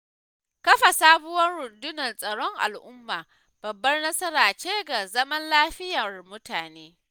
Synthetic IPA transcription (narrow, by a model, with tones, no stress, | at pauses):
kɐ˦ɸa˨saː˦bʊ˦wɐ˦nɽʊ˨dʊ˦nɐ˨nsʼɐ˨ɽɔ˦ŋʔa̰˨lʔʊ˦mːaː˨ | b̥ɐ˨bːɐ˦rnɐ˦sɐ˦ɾaː˨t͡ʃeː˦ɡa˨zɐ˦mɐ˦nlaː˦ɸɪ˦jɐ˨rmʊ˦taː˨neː˦